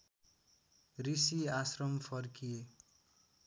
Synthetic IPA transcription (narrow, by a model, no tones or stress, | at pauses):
risiasrʌmpʰʌrkie